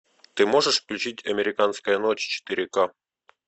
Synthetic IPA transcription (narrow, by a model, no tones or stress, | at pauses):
t̪ɨmoʐəʂfklʲut͡ɕitʲʰamʲeɾʲikɑnskəjənot͡ɕt͡ɕe̥t̪iɾʲekɑ